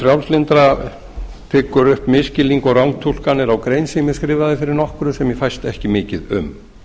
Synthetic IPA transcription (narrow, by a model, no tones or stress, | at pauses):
fɾjawlslɪnt̪ɾa | t̪ʰɪːkʏɾʏhpmɪscɪliŋkɔɣrawŋt̪ʰul̥kanːɪɾawkɾeːjnsɪmɪskɾɪːvaðɪfɪɾɪɾnɔhkʏɾʏsɛmjɛfajst̪ɛhcɪmɪːcɪðʏ̰m